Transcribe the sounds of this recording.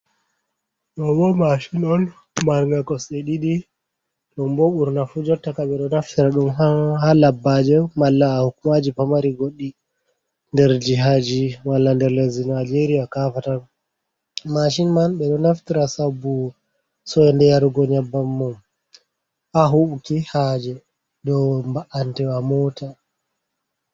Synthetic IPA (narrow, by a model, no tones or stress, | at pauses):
ɗɔbɔmaʃinɔn | maɾɡakɔseɗiɗi | ɗɔmbɔɓuɾnafud͡ʒɔtːakaɓɛɗɔnaftiɾaɗumɦahalabːad͡ʒɛmalːaːhukumad͡ʒipamaɾiɡoɗːi | ndɛɾd͡ʒiɦad͡ʒiwalːandɛɾlezinad͡ʒeɾijakafatan | maʃ̬inmanɓɛɗɔnaftiɾasabːu | sɔɛndɛjaɾɡɔɲabːamːɔm | ʔaɦuʔkihad͡ʒɛ | dɔmbaʔantɛwamɔːtʰa